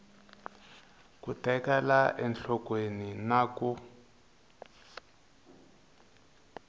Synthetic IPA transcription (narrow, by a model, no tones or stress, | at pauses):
kutɛkɛlaʔɛnɬʰɔkweninaːku